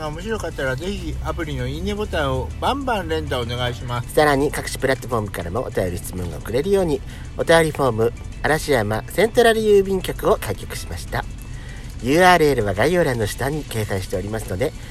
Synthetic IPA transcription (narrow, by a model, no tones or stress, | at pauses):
aomo̞ɕiɾo̞kat̪ːaɾaze̞çiapɯ̟ɾʲino̞inebo̞t̪ãɰ̃o̞bãmbãnɾẽ̞nd̪aone̞ɡaiɕimasɨ̥saɾaɲ̟ikakɯ̟̥ɕi̥pɯ̟ɾat̪ːo̞ɸo̞ːmɯ̟kaɾamo̞ʔo̰t̪ajo̞ɾʲiɕi̥t͡sɨmõ̞ŋɡa̰o̰kɯ̟ɾe̞ɾɯ̟jo̞ːɲ̟i | o̞t̪ajo̞ɾʲiɸo̞ːmɯ̟ | aɾaɕiamasẽ̞nt̪oɾaɾɯ̟jɯːbʲĩŋkʲo̞kɯ̟o̞kaikʲokɯ̟̥ɕi̥maɕi̥t̪a | jɯ̟ːaːɾɯ̟eɾɯ̟β̞aɡaio̞ɾãnːoɕi̥t̪aɲ̟ːike̞ːsãɰ̃ɕi̥t̪e̞o̞ɾʲimasɨno̞d̪e̞